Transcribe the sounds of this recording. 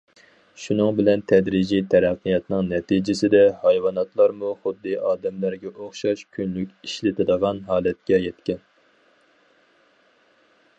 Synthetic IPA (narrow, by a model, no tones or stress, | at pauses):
ʃunɨŋbɪlɛnt̪ʰɛd̪ɾid͡ʒit̪ʰɛɾæqːijɑt̪nɨŋnɛt̪ʰid͡ʒɪsɪd̪ɛhɑjwɑnɑt̪lˠɑɾmuχʊd̪ːɨʔɑːd̪ɛmlæɾɡʲɛʔoχʃɑʃkʲʰynlykʲiʃlɪt̪ʰɨd̪əʁɑnɦɑːlɛt̪̚kʲɛjɛt̪kʲɛn